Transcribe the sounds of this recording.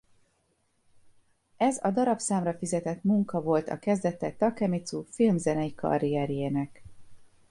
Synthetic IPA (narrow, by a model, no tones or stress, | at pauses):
ɛzɒd̪ɒɾɒpsaːmrɒfizɛt̪ɛt̪muŋkɒvo̞lt̪ʰɒ̰kɛzd̪ɛt̪ɛt̪ɒkɛmit̪sufilmzɛnɛjikɒ̰ɾiɛɾijeːnɛk